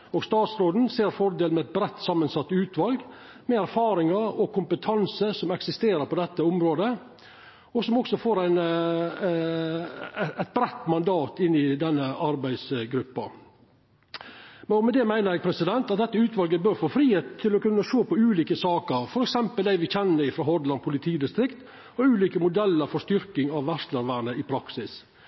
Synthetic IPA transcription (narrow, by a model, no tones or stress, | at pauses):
ɔːɡst̪ɑːt̪sɾoːd̪n̩seːɾfɔɾd̪eːlmɛæɪt̪̚bɾɛt̪ːsɑmːənsɑt̪ːʉːt̪ʋɑlɡ | mɛæɾfɑːɾɪŋɑɾɔkʊmpət̪ʰɑnsəsɔmɛksɪst̪eːɾəɾpɔd̪ɛt̪ːəʊmɾoːd̪ə | ɔsɔmɔksɔfoːɾæɪn | æɪt̪̚bɾɛt̪ːmɑnd̪ɑːt̪ɪnːɪd̪ɛnːəʔɑɾbæɪd̪sɡɾʉpːɑ | mɛɔmɛd̪ɛmæɪnəɾjɛːɡ̚pʰɾɛsɪd̪ɛnt̪ɑt̪̚d̪ɛt̪ːəʉːt̪ʋɑlɡəbøːɾfoːfɾiːheːt̪ʰːɪlɔkʉnːəʂoːpɔʉːliːkəsɑːkəɾfɔɾɛksɛmpəld̪æɪʋɪçɛnːəɾɪfɾɑːɦɔd̪lɑnpʰʊlɪt̪ʰiːd̪ɪst̪ɾɪkt̪ | ɔʉːliːkəmʊd̪ɛlːəɾfɔst̪ʏɾkɪŋɑʋʋæʂt̪ləɾʋæːɾɳəɪpʰɾɑksɪs